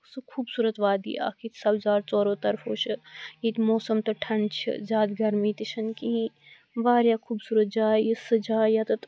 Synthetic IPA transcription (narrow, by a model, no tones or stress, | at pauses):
sɨkʰuːbsuːɾɐt̪ʋaːd̪ḭːʔa̰ːkʰiːt̪sɐbzaːɾt͡sɔːɾoːt̪ɐɾfoːt͡ʃʰiiːt̪moːsɐmt̪ɐʈʰɐɳt͡ʃʰḭzaːd̪ɡɐɾmiːt̪it͡ʃʰɐnkiĩ | ʋaːɾjaːkʰuːbsuːɾɐt̪̚d͡ʒaːisɨd͡ʒaːjat̪ɐt̪